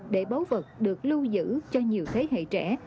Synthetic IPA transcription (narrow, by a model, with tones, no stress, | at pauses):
ɗe˧˩ɓa˨˦wvə˨˩t̚ɗɨ˨˩ək̚lu˧zɨ̰˧˥t͡ɕɔ˧ɲi˨˩əwt̪ʰe˨˦ɦḛ˧˨t͡ɕɛ˧˩